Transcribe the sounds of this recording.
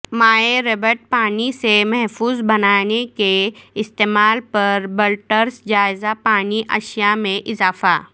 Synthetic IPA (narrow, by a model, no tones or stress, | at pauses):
maːeɾebəʈ̚paːnisemɛɦfuːzbɐnaːnekeɪst̪eːmaːlpɐɾbəlʈəɾsd͡ʒaːɪzapaːniʔɐ̰ʃijamẽʔɪzaːfa̰ː